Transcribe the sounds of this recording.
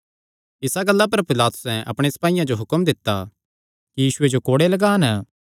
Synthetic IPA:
ɪsaɡɐlːap̬ɐɾpɪlaːt̪ʊ̥sɛ̃ʔɐ̰pɽ̃esɐ̥paːijãd͡ʒoɦʊkəmd̪ɪt̪ːa | kijiːʃʊed͡ʒokoːɽelɐɡaːnə

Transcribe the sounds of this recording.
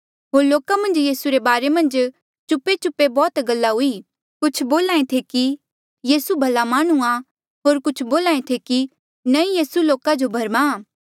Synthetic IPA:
ɦoːɾloːkamɐ̃nd͡ʒjiːsuɾebaːɾemɐ̃nd͡ʒ | t͡ʃʊpːet͡ʃʊpːebɔːt̪ɡɐlːaɦʊi | kʊt͡ʃʰboːlãːẽt̪ʰeki | jiːsubʱɐlamaːɽ̃uã | ɦoːɾkʊt͡ʃʰboːlaːẽt̪ʰeki | nɐĩjiːsuloːkad͡ʒobʱɐɾma

